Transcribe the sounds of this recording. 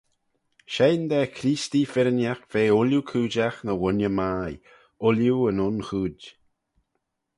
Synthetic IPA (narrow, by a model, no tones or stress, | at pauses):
ʃejnd̪ɛkʰɾiːst̪ifɪɾənjaxv̥eːʊljukʰuːd͡ʒaxnəwʊnjəmaːj | ʊljuənʊnxuːd